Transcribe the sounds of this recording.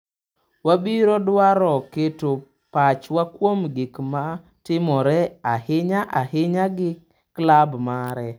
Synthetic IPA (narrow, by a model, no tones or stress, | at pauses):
wabiɾɔdwaɾɔketo | pat͡ʃwakwomɡɪkma | tɪmɔɾɛahɪɲaʔahɪɲaɡɪ | klabmaɾɛ